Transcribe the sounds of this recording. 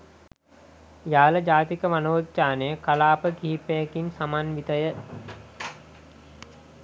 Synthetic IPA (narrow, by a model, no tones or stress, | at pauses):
jaːləd͡ʒaːt̪ikəmanoːt̪t͡ʃaːnejəkalaːpəɡiːpejəkinsamanʋit̪əjə